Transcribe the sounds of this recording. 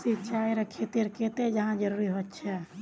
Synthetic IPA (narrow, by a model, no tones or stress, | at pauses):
sit͡ʃʰajɾəkʰet̪eɾket̪ed͡ʒəɦãd͡ʒəɾuɾiɦot̪ːt͡ʃʰɛ